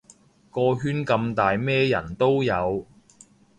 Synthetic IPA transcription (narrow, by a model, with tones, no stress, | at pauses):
kɔː˧ɦyː˥nkɐ˧mt̪aː˨jmɛː˥jɐ̰˨˩nt̪o˥wjɐ˨˧w